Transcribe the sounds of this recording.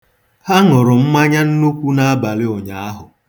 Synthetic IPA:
ha˦ŋʊ˨ɾʊ˨m̩˦ma˦ɲa˦n̩˦nu˦kʷu˦na˦a˦ba˨lɪ˦o˨ɲa˨a˦ɦʊ˨

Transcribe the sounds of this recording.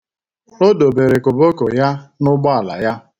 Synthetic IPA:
o˦do˨be˨ɾe˨ko˨bo˦ko˨ja˦nʊ˦ɡ͡bɔ˦a˨la̰˨ja˦

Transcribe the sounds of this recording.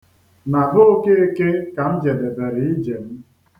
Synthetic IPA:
na˨ɦo˦ke˦e˦ke˦ka˨m̩˦d͡ʒe˨dɛ˨da˨ɾi˦d͡ʒe˨m̩˦

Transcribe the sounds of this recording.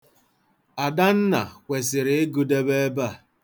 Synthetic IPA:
a˨da˦n̩˦na̰˨kʷe˨s̬ɪ˨ɾɪ˨e˦ɡu˨de˦be˦ba˦˨

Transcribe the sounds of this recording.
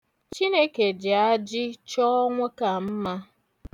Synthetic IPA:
t͡ʃi˦ne˦ke˨d͡ʒɪ˨a˦d͡ʒɪ˦t͡ʃɔ˦ŋʷʊ˦ka˨m̩˦ma˦

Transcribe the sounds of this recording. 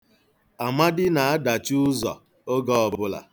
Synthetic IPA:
a˨ma˦dɪ˦na˨a˦da˨t͡ʃu˦ʊ˦zɔ̰˨ | o˦ɡɔ˦ɔ˨bʊ˦la̰˨

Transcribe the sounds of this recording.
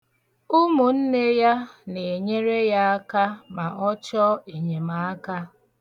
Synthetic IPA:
ʊ˦mʊ˨n̩˦ne˦ja˦ne˨e˨ɲe˦ɾe˦ja˦a˦ka˦ma˨ʔɔ˦t͡ʃɔ˦e˨ɲe˨ma˨a˦ka˦

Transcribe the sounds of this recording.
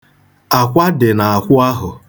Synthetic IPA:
a˨kʷa˦dɪ˨na˨a˨kʷʊ˦a˦ɦʊ˨

